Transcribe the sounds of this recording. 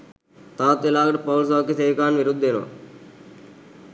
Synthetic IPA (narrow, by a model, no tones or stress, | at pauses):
t̪ãːt̪ɪlaːkəʈpəʊls̬aːkiseːʋkaːnʋɪɾʊd̪ʱːeːno̰ː